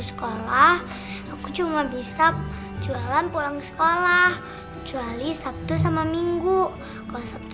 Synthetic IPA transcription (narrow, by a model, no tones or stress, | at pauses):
sə̥kolah | akut͡ʃumabisap̚ | d͡ʒualanpulaŋsə̥kolah | kət͡ʃualisap̚t̪usamamiŋɡu | kalosap̚t̪